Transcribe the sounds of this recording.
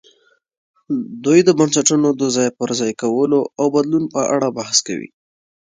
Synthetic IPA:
d̪ujd̪əbansaʈunod̪əzɑjpəɾzɑjkawəloawbad̪lunpəʔaɽabahska̰wḭ

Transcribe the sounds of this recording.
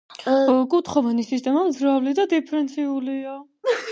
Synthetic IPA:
kʼut̪ʰχɔvanisist̪ʼɛmamzɾavlid̪ad̪ipʰɾɛnt̪sʰiulia

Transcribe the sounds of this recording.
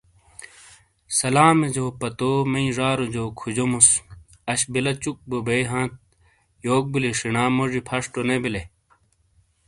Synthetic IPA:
sɐlaːmed͡ʑoːpɐt̪omɐĩʐaːɾod͡ʑoːkʰud͡ʑomus | ɐɕbilɐt͡ɕuk̚bobejɦãːt̪̚ | joːk̚buliʂinaːmoʐipʰɐʂʈonebile

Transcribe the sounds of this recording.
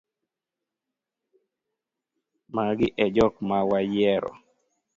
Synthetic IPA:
maɡɪʔɛd͡ʒɔkmawajɛɾɔ̰

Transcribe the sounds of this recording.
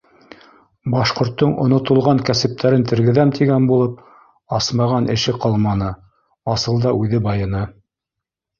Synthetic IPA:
bɑʃqŏɾt̪ːoɴŏ̰nŏt̪ŏlˠʁɑŋkæsɘ̆p̚t̪ʰæɾɘnt̪ɘ̆ɾɡɘ̆ðæmt̪ʰiɡænbulˠɤp̚ | ɑsmɑʁɑnʔɘ̆ʃɘqɑlˠmɑnɤ | ɑsɤlˠd̪ɑʉðɘbɑjɤ̆nɤ

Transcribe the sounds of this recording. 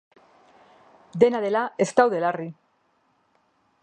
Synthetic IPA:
d̪e̞naðe̞lae̞st̪awðe̞lari

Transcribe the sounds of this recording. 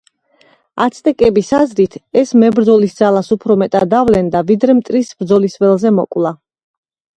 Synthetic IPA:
a̰t̪sʰt̪ʼɛkʼɛbisazɾit̪ʰɛsmɛbɾd̪zɔlisd̪zalasupʰɾɔmɛt̪ʼad̪avlɛnd̪avid̪ɾɛmt̪ʼɾisb̥ɾd̪zɔlisvɛlˠzɛmɔkʼlˠa

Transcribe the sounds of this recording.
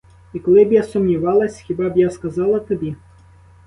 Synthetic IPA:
ikɔlˠɪbjasʊmnʲiʋɑlˠɐsʲxʲibɑbjaskɐzɑlˠɐt̪ɔbʲi

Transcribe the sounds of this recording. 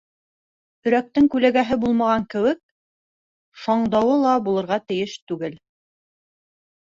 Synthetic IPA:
ɵ̆ɾæk̚t̪ɘŋkʉlæɡæɦɘbulˠmɑʁɑŋkɘ̆wɘk̚ | sɑɴd̪ɑwɤlˠɑbulˠɤ̆ɾʁɑt̪ɘ̆jɘʃt̪ʉɡɘl

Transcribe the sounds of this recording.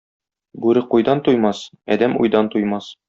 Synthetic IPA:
bʉɾɘqujd̪ɑnt̪ujmɑs | ɒ̰d̪æmṵjd̪ɑnt̪ujmɑs

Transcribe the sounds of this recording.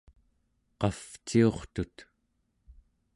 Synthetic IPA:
qɑft͡ʃio̞χt̪ut̪

